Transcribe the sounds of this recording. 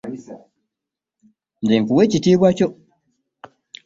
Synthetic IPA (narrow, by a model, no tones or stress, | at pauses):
ndiŋkuwe̞ːcitiːβwaco